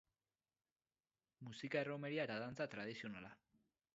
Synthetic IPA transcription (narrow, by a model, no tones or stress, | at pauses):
musikae̞ro̞me̞ɾiaet̪aðant͡sat̪ɾað̞isio̞nala